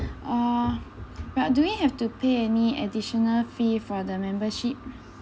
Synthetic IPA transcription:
a | bat̚duwihɛftupʰeɛniɛ̰diʃɔnəlfifɔdəmɛ̃mbəʃip̚

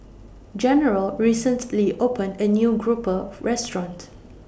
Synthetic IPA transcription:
d͡ʒɛnəɹəlɹisə̃ntliʔopə̃ndənjuːɡɹupəɹɛstɹɔ̃nt

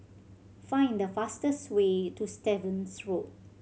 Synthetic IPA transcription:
fãɪ̃nd̪əfastəswetustɛvə̃nsɹot̚

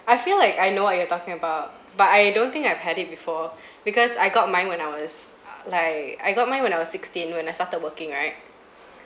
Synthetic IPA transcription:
ajfilaɪkajnowɔt̚jɔtɔkɪ̃ŋəbaʊt̚ | batajdõnt̪ĩŋkaɪv̥hɛdɪt̚bifɔ | bikɔsajɡɔt̚mãɪ̃nwɛ̃naɪwɔs | laɪkaɪɡɔt̚mãɪ̃nwɛ̃naɪwɔsɪkstĩnwɛ̃najstatəd̚wəkɪ̃ŋɹaɪt̚

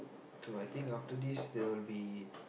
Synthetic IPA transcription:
toajt̪ĩŋkaftədisd̪ɛwilbi

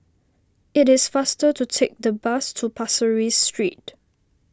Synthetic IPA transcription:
ɪtɪsfastətutʰek̚dəbastʰupʰasəɹistɹḭt̚

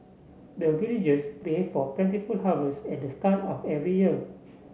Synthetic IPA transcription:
dəvilid͡ʒəsplefɔplɛ̃ntifulɦavəsɛt̚dəstatɔfɛvɹijiə

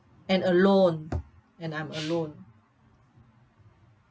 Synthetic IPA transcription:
ɛ̃nəlõn | ɛ̃nãj̃məlõn

